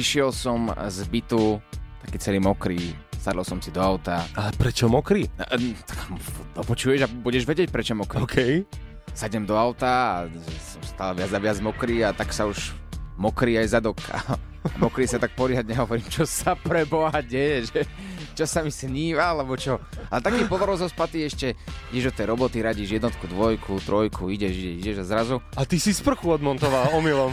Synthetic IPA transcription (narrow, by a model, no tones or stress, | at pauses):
iʃɪɛlsɔmzbit̪ut̪ḁkiːt͡sɛliːmɔkɾiːsad̪ɔlˠsɔmsid̪ɔaʊt̪aalɛpɾɛt͡ʃɔmɔkɾḭt̪ḁkd̪ɔpɔt͡ʃujɛʒabuɟɛʒʋɛɟɪɛc̚pɾɛt͡ʃɔmɔkɾikʰɛj | saɟɛmd̪ɔaʊt̪a̰ːʒɛsɔmst̪aːlɛʋɪad͡zaʋɪad͡zmɔkɾiːat̪aksauʒmɔkɾiːajzad̪ɔkːa̰ː | mɔkɾiːsat̪ak̚pɔɾɪad̪ɲɛɦɔʋɔɾiːmt͡ʃɔsapɾɛbɔɦaɟɛjɛʒɛ | t͡ʃɔsamisɲiːʋalɛbɔt͡ʃɔalɛt̪akiːpɔlɔɾɔzɔspat̪iːɛʃcɛiɟɛʒd̪ɔt̪ɛjɾɔbɔt̪iɾaɟiːʒjɛd̪nɔt̪kud̪ʋɔjkʰut̪ɾɔjkʰuiɟɛʒiɟɛciɟɛʒazɾazuat̪isispr̩xuɔd̪mɔnt̪ɔʋalɔmilɔm